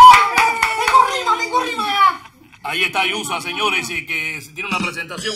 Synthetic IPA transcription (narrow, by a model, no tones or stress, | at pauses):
mẽkorimamẽŋkorimaa | aiest̪ajusoaseɲoɾesekeset̪jenunapɾesẽnt̪asjõ